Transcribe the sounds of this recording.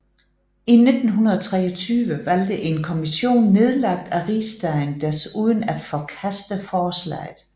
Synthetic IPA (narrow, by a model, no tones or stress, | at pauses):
ine̝d̥n̩ɦunɐð̞ˠɒt͡sʰʁɛːɒt͡sʰyːʋəʋæl̰d̥əʔe̝nkʰo̝miɕo̝̰ːnːe̝ð̞ˠlɑ̈ɡ̥̚d̥æʁḭːsd̥ænd̥æɐsuːð̞ˠən̩æd̥fɒkʰæsd̥əfɒːslɛ̰ːɪð̩ˠ